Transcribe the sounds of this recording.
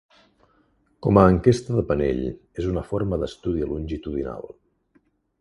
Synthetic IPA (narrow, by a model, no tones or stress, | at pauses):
kɔməːŋkest̪əðəpənḛʎ | ezunəfoɾməðəst̪uðiəlunʲʒit̪uðina̰lˠ